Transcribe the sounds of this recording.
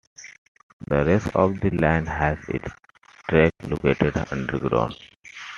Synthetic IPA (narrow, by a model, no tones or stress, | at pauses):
d̪əɾesʈɔːʋd̪ilãɪ̃nɦæzɪ̰ts | ʈɾeklo̰keːʈeɖʌ̰̃ɳɖəɾɡɾo̰ːn